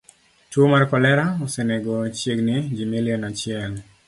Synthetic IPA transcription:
twomarkɔlɛɾaoseneɡɔt͡ʃeɡnɪd͡ʒimelɛnat͡ʃɪɛl

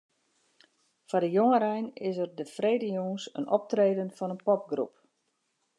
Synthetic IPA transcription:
fadəjoŋəɾɛjnɪsərdəfreːdəjoŋəsə̰nɔ̰p̚treːdənfɔnənpɔp̚ɡrṵp

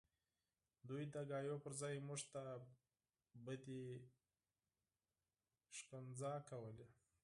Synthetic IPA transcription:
d̪ujd̪əɡɑjopəɾzɑjmuʐt̪a | bəd̪e | ʂkənzɑkawəle

